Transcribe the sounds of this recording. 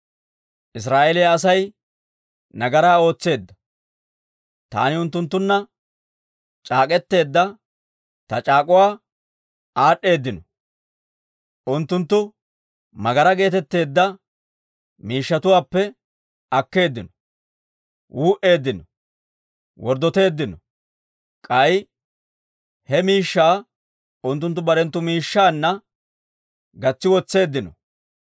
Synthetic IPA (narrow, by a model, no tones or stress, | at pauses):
ʔɪs̬ɾaːʔelɛjaɐsɐj | nɐɡɐɾaːo̞ːt͡sːe̞ːd̪ːɐ | t̪a̰ːnɪʊnt̪ːʊnt̪ːʊnːɐ | t͡ʃʼaːkʼɛt̪ːe̞ːd̪ːɐ | t̪ɐt͡ʃʼaːkʼʊwaː | aːɗːe̞ːd̪ːɪnɔ | ʔʊnt̪ːʊnt̪ːʊ | mɐɡɐɾɐɡe̞ːt̪ɛt̪ːe̞ːd̪ːɐ | miːʃːɐt̪ʊwaːpːɛ | ɐkːe̞ːd̪ːɪnɔ | wuːʔe̞ːd̪ːɪnɔ | wɔɾd̪ɔt̪e̞ːd̪ːɪnɔ | kʼɐj | hɛmiːʃːaː | ʊnt̪ːʊnt̪ːʊbɐɾɛnt̪ːʊmiːʃːaːnːɐ | ɡɐt͡sːɪwɔt͡sːe̞ːd̪ːɪnɔ